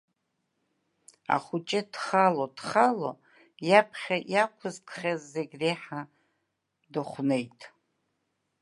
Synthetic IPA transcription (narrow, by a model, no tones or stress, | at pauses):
a̰χʊt͡ʃʼɪdχalodχalo | japʰχʲajakʷʰʊzkʷʰχʲazːeɡʲreħa | dɨχʷne̞jtʼ